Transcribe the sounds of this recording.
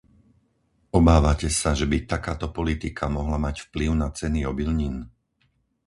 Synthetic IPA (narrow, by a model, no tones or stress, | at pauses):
ɔbaːʋacɛsaʒɛbit̪akaːt̪ɔpɔlit̪ikʰamɔɦlamacfpliʊnat͡sɛniɔbilɲiːn